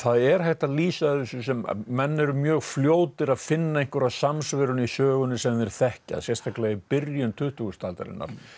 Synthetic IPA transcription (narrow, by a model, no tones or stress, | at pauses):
θaðɛɾ̥hajht̪aliːsaðɪsʏsɛmːɛnːɛɾʏmjœːɣfljoːwt̪ɪɾaðfɪnːaejŋ̥kʏɾaðsamsvɪɾʏnisœːɣʏnʏsɛmðɛɾ̥θɛhca̰ðsjɛ̥st̪ʰaklɛɣɪpɪɾjʏnt̪ʰʏht̪uɣʏst̪ʰaːlt̪a̰ɾɪ̰nːa̰ɾ̥